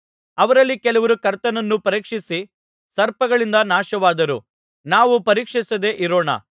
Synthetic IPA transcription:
ɐʋɐɾɐlːikɛlɐʋɐɾukɐɾt̪ɐnɐnːupɐɾiːkʂisi | sɐɾpɐɡɐɭind̪ɐnaːʃɐʋaːd̪ɐɾṵ | naːʋupɐɾiːkʂisɐd̪e̞ʔiɾoːɳɐ̰

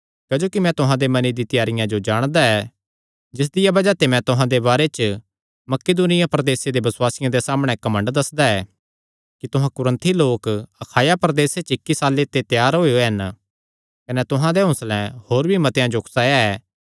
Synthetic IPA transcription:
kɐd͡ʒoːkimɛ̃t̪ʊɦãd̪emɐnid̪it̪ɪjaːɾɪjãd͡ʒod͡ʒaːɽ̃d̪aɛː | d͡ʒɪs̬d̪ɪjabɐd͡ʒat̪emɛ̃t̪ʊɦãd̪ebaːɾet͡ʃə | mɐked̪uːnɪjapɾɐd̪eːsed̪ebɐswaːsɪjãd̪esaːmɽ̃ɛkɐmə̃ɳɖd̪ɐsd̪aɛː | kit̪ʊɦãkʊɾə̃nt̪ʰiloːkɐkʰaːjapɾəd̪eːset͡ʃɪkːisaːlet̪ːet̪jaːɾɦoːijoɦɐn | kɐnɛt̪ʊɦãd̪eɦʊ̃slɛ̃hoːɾbʱimɐt̪ejãd͡ʒokʰsaːjaɛː

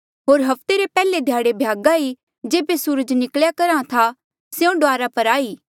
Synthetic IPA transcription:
ɦoːɾɦɐpt̪eɾepɛːled̪ʱjaːɽebʱjaːɡai | d͡ʒeːbesuːɾəd͡ʒnɪkljakɐɾãt̪ʰa | seõɖoaːɾapɐɾaːiː

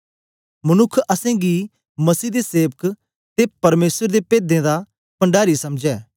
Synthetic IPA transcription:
mɐnʊkʰːɐsɛ̃ːɡi | mɐsiːd̪eseːʋək | t̪epɐɾmeːsəɾd̪epeːd̪ẽːd̪aː | pə̃ɳɖaːɾisɐmd͡ʒɛː

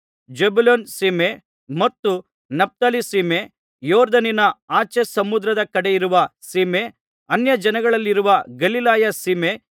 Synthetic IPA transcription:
d͡ʒebuloːnsiːme | mɐt̪ːu | nɐp̚t̪aːlisiːme | joːɾd̪ɐninɐaːt͡ʃesɐmud̪ɾɐd̪ɐkɐɽejiɾuʋɐsiːme | ɐnjɐd͡ʒɐnɐɡɐɭɐlːiɾuʋɐɡɐlilaːjɐsiːme

